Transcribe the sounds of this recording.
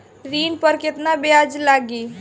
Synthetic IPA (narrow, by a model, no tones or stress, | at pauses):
ɾinpəɾkɪt̪nabead͡ʒlaɡi